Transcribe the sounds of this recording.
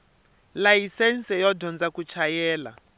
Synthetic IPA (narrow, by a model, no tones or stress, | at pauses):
lajisɛnsɛjɔdʱɔnd͡zakut͡ʃʰajɛːla̰